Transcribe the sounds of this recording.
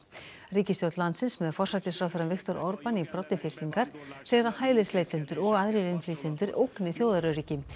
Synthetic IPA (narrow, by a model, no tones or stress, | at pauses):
riːcɪst̪jɔwt̪lant̪sɪnsmɛðfɔr̥sajt̪ɪsfɾawθɛɾanvɪxt̪ɔɾʔɔɾpanipɾɔt̪ːɪfɪlt̪iŋkaɾ̥sejðɾahaːjlɪsleːjt̪ɪnt̪ʏɾɔɣaðɾɪɾɪnfliːt̪ɪnt̪ʏɾʔowknɪθjowðaɾʏɾiːcɪ